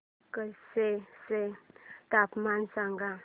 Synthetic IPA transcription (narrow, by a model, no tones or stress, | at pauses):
kəseset̪apmansãŋɡa